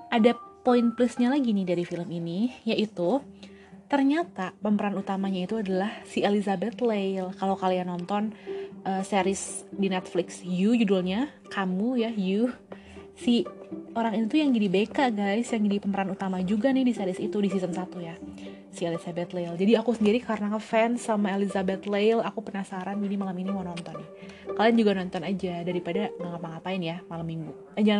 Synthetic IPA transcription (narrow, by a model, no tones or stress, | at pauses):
ʔadapoinplusɲalaɡinɪhdaɾifiləminijaʔit̪u | t̪ərɲat̪apəmpəɾanut̪amaɲait̪uadalahsielisabɛt̪lejlkalawkalianɔnt̪ɔnʔəːseɾɪsdinɛt̪̚flɪksjud͡ʒudulɲa | kamujaju | sioɾaŋinit̪ujaŋd͡ʒidibekaʔɡajsjaŋdipəməɾanut̪amad͡ʒuɡanɪhdiseɾɪsit̪udisisəmsat̪uja | sielisabɛt̪lejld͡ʒadiakusəndiɾikaɾənakəfɛnsamaelizabɛt̪lejlakupənasaɾanbəɡinimalaminiwanɔnt̪ɔnːɪh | kaloand͡ʒuɡanɔnt̪ɔnad͡ʒadaɾipadaŋaŋapaŋapaɪnjamalamːiŋɡu | ad͡ʒa